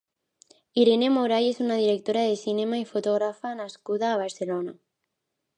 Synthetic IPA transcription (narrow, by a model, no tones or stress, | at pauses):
iɾenemoɾajesunaðiɾek̚t̪oɾaðesinemaifot̪oɣ̞ɾafanaskuðaːβ̞aɾselona